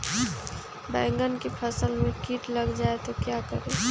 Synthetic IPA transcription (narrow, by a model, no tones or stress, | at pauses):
bɛ̰̃ːŋɡənkepʰəsəlmẽkiːʈləɡd͡ʒaːet̪okjakə̰ɾeː